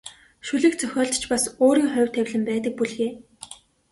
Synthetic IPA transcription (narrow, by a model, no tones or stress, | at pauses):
ʃuɮɘ̆kt͡sʰœxʲɔːɮt̪t͡ɕpasoːɾiːŋχʊwʲt̪ʰːæwʲɮɘ̆mpæːt̪̬ə̆k̚puɮɣeː